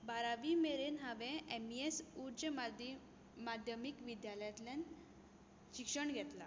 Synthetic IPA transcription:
baɾaʋimeɾenɦaʋẽemiesuɾd͡ʑəmd | mad̪ʱjəmikʋid̪jaləjat̪lan | ɕikʂəɳɡʱɛt̪la

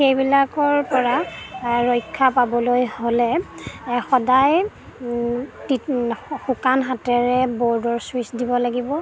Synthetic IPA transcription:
xejbilakɔɹpɔɹaɹojkʰːapabɔlojholɛ | xɔdaj | tixukanɦatɛɹɛbɔɹdɔɹswisdibɔlaɡibɔ

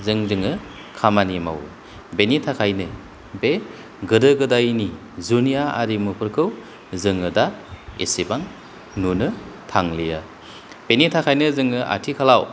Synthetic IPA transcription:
zɯŋzɯŋɯ | kʰamanima̰w | benitʰakʰajnɯ | be | ɡɯdɯɡɯdajni | zunijaa̰ɾimupʰɯɾkʰɯw | zɯŋɯdaḛsebaŋ | nunɯtʰaŋlija | b̥enitʰakʰajnɯzɯŋɯʔa̰tʰikʰalaw

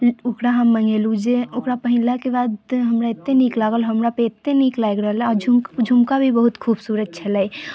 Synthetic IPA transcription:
ʊkɾaɦamːəŋɡelud͡ʒeʊkɾapəɦɪlakebaːd̪ɦəmɾaɪt̪ːeniklaːɡəlɦəmɾapeɪt̪ːeniklajɡɾəɦəlɛɔɾd͡ʒʱumkd͡ʒʱumkabʱibəɦut̪kʰuːbsuːɾəd̪̚t͡ʃʰəlai

